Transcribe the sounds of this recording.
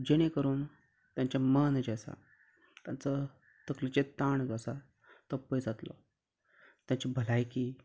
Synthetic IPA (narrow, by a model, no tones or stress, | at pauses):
d͡ʑeɽ̃ekəɾuːn | t̪jãɲt͡ɕjamənd͡ʑasa̰ | t̪jant͡sə | t̪əklit͡ɕet̪aɳd͡zasa | t̪əpəjd͡zat̪lɔ̰ | t̪jãɲt͡ɕebʱəlajkiː